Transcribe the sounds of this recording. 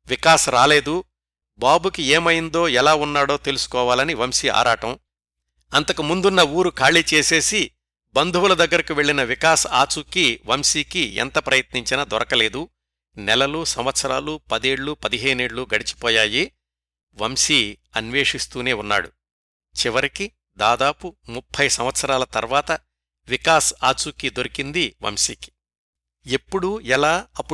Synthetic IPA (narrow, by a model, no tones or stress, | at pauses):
ʋikaːsɐɾaːle̞ːd̪u | baːbukieːmɐjind̪o̞ːɛlaːunːaːɽo̞ːt̪e̞lusu̥kɔːʋaːlɐniʋɐmsia̰ːɾaːʈɐm | ɐnt̪ɐkɐmund̪unːɐuːɾukʰaːɭiːt͡ʃe̞ːse̞ːsi | bɐnd̪ʱuʋulɐd̪ɐɡːɐɾikiʋe̞ɭːinɐʋikaːsaːt͡ʃukiʋɐmsiːkiɛ̰nt̪ɐpɾɐjɐt̪niɲt͡ʃinɐd̪ɔɾɐkɐle̞ːd̪u | nɛlɐlusɐmʋɐt̪sɐɾaːlupɐd̪eːɽlupɐd̪iɦeːneːɽːuɡɐɽit͡ʃi̥pɔːjaːji | ʋɐmsi | ɐnʋeːʂist̪uːneːunːa̰ːɽṵ | t͡ʃiʋɐɾiki | d̪aːd̪aːpumupʰːɐjsɐmʋɐt̪sɐɾaːlɐt̪ɐɾʋaːt̪ɐ | ʋikaːsaːt͡ʃukid̪oɾikind̪iʋɐ̰msiːki̥ | epːuɽuɛlaːɐpː